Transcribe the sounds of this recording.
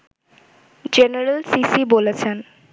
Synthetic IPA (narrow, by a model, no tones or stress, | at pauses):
d͡ʑeneɾelsisibolet͡ɕʰen